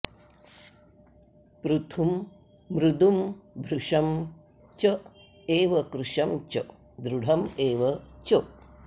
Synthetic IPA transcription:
pɾut̪ʰumː | ɾud̪umbʱɾuʂɐm | t͡ʃɐ | eːʋɐkɾuʂɐmt͡ʃɐ | d̪ɾuɽ̤ʱɐmeːʋɐt͡ʃo

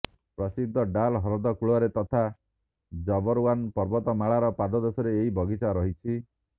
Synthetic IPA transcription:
pɾɔsid̪ʱːɔɖalɦɔɾɔd̪ɔkuɭɔɾet̪ɔt̪ʰa | d͡ʒɔbɔɾwanpɔɾbɔt̪ɔmaɭaɾɔpad̪ɔd̪ɔsɔɾeːɦibʱɔɡit͡ʃaɾɔɦit͡ʃʰi

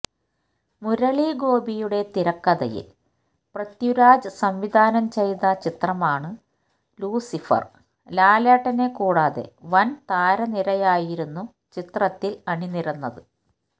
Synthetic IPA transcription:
muɾɐɭiɡo̞ːbijuɽe̞t̪iɾɐkːɐðɐ̰jḭl | prɐt̪juɾaːd͡ʑɨsɐmʋid̪ʱaːnɐmt͡ɕe̞jt̪ɐt͡ɕit̪rɐmaːɳɨ | luːsifɐ̰r | laːlaːʈːɐne̞kuːɽaːðe̞̰ʋɐnt̪aːɾɐniɾɐjaːjiɾunːu | t͡ɕit̪rɐt̪ːilɐɳiniɾɐnːɐðɨ

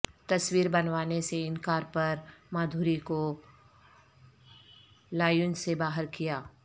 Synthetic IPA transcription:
t̪ɐswiːɾbɐnʋaːneseɪnkaːɾpɐɾmaːd̪ʱuːɾiko | laːjʊnsebaːɦəɾkijaː

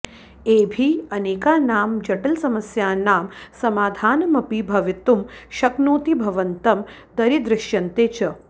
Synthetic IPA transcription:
eːbʱiɐneːkaːnaːmd͡ʒɐʈɐlsɐmɐsjaːnaːmsɐmaːd̪ʱaːnɐmɐpibʱɐʋit̪umʃɐknuːt̪ibʱɐʋɐnt̪ɐm | d̪ɐɾid̪ɾɪʃjɐnt̪eːt͡ʃɐ

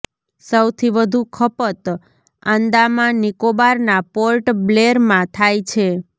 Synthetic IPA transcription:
səwt̪ʰiʋəd̪ʱũkʰəpət̪ | ãnd̪amãnikobaɾnapolʈbleɾmãt̪ʰajt͡ʃʰe

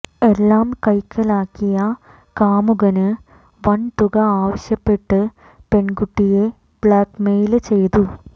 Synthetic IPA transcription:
e̞lːaːmkɐjkʰːɐlaːkːijɐ | kaːmuɣɐnɨ | ʋɐɳt̪uɣɐaːʋɐɕjɐpːe̞ʈːɨ | pe̞ɳɡuʈːije | b̥ɭaːkmejlɨt͡ɕe̞jt̪u

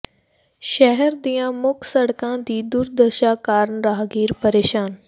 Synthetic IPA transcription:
ʃɛɦɛɾd̪ijãmʊkʰsɐɽkãd̪iːd̪ʊɾd̪əʃaːkaːɾnɾaːɦɡiːɾpɐɾeːʃaːn

